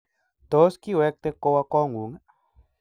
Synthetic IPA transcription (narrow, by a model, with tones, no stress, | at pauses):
t̪o˨˦ski˦wɛ˦k̚t̪e˦ko˧wa˦kɔ˦ŋɡu˨ŋa˦